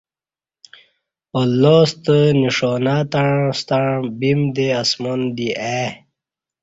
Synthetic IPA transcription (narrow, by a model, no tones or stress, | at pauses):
olːost̪əniʂoːnat̪aɻst̪aɻ̃bimd̪easmond̪iʔe